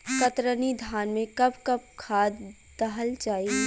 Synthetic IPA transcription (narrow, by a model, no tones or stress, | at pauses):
kət̪ɾənid̪ʱaːnmẽkɐbkɐb̚kʰaːd̪ː | əɦəld͡ʒaːi